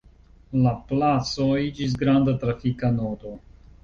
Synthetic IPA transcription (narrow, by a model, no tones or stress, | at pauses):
laplat͡soid͡ʒis̬ɡɾandatɾafikanoto̞